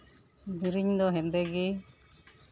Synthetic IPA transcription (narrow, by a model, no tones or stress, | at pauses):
d̪iɾiɲd̪ɔɦɛ̃nd̪ɛɡi